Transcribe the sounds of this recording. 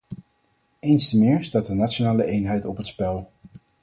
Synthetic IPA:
ejnstəmɪːɹstaːt̚dənatonaːləʔejnɦɛjtɔpɦətspɛlˠ

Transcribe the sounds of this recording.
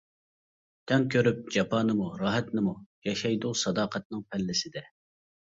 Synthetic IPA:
t̪ʰɛŋkʲʰøɾyp̚d͡ʒɑpʰɑːnɨmuɾɑːɦɛt̪nɨmujɑʃɑjd̪ʊsɑd̪ɑːqʰɛt̪̚nɨŋpʰɛlːɪsɪd̪ɛ

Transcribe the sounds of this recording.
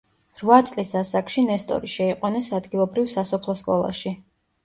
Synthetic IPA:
ɾvat̪sʼlisasakʃinɛst̪ʼɔ̰ɾiʃɛiqʼwanɛsad̪ɡilˠɔbɾivsasɔpʰlˠɔskʼɔlˠa̰ʃi

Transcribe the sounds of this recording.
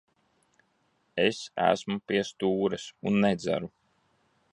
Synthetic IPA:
esæ̰smupiɛst̪uːɾɛsunːɛd̪zæ̰ɾu

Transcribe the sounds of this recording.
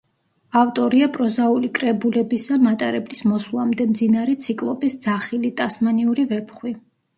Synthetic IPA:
aft̪ʼɔɾiapʼɾɔzaulikʼɾɛbulɛbisamat̪ʼaɾɛblismɔsulˠamd̪ɛmd̪zinaɾɛt̪sʰikʼlˠɔbisd̪zaχilit̪ʼasmaniuɾivɛpʰχwi

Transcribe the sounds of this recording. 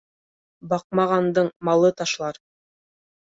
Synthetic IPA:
bɑq̚mɑʁɑnd̪ɤɴmɑlˠɤt̪ɑʃlˠɑɾ

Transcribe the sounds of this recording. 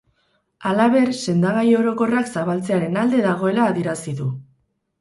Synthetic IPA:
alaβ̞e̞ɾse̞nd̪aɣajo̞ɾo̞ko̞raksaβalt͡se̞aɾe̞nald̪e̞ðaɣ̞o̞e̞laːðijeɾasiðu

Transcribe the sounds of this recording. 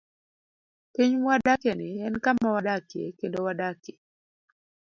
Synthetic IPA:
piɲwadakɛnɪɛnkamːawadakjḛkendowadake̥

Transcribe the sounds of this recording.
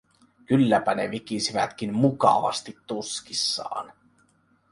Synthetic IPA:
kylːæpæne̞ʋik̟isiʋæ̰t̪kinmukɑ̰ʋɑ̰st̪it̪ːuskisːɑ̰ːn

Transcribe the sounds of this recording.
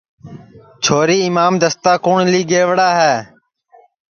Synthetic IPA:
t͡ʃʰoːɾiːɪmaːmd̪əst̪aːkoːɳliːɡeːʋɽaːɦɛː

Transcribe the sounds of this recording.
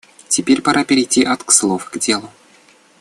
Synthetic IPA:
tʲɪpʲeɾʲpaɾʔapʲɪɾʲɪjtʲːiʔat̪kslˠofɡdʲe̞lˠʊ

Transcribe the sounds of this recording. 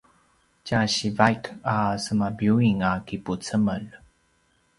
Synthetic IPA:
caɕivajkasəmabjuiŋakiput͡səməl

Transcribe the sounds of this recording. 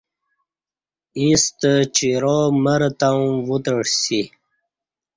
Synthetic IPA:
ist̪ət͡ɕiɾoməɾt̪ãwut̪əɽsi

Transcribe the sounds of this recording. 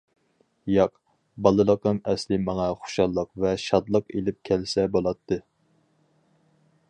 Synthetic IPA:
jɑq | bɑlˠɨlˠəqəmɛslɪmɑŋɑχʊ̥ʃɑlˠːəqvɛʃɑd̪lˠəqḛlɪp̚kʲʰɛlsɛbolˠɑt̪ʰːɨ

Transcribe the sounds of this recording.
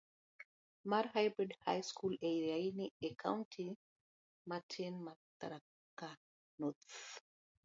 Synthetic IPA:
maɾɦajbɾidha̰jskulɛjajniɛkʰa̰wntʰi | matʰenmat̪a̰ɾa | kːa | not̪

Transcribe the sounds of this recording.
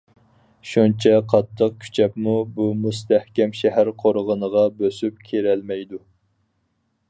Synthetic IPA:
ʃunt͡ʃʰɛqʰɑt̪ʰːəq̚kʲʰy̥t͡ʃʰɛpmubumust̪ʰæhkʲɛmʃɛɦæɾqʰoɾʁənəʁɑbøsyp̚kʲʰeɾɛlmɛjd̪u

